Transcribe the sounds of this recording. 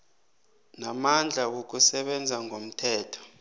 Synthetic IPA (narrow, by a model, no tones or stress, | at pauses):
namand͡ɮʱak̬ok̬usɛɓɛnd͡zʱaŋʱom̩tʰɛːtʰɔ̥